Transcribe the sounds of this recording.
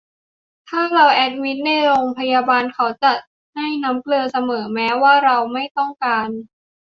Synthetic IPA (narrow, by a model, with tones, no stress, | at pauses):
t̪ʰaː˥˩ɾa˧wʔɛ˦˥t̪̚mi˦˥t̪̚na˧˥˩jɾoː˧ŋpʰa˧jaː˧baː˧nkʰa˦˥wt͡ɕa˨˩ | na˥˩jna˦˥mklɤː˧sa˧mɤː˩˦mɛː˦˥waː˥˩ɾa˧wma˥˩jt̪ɔ˥˩ŋkaː˧n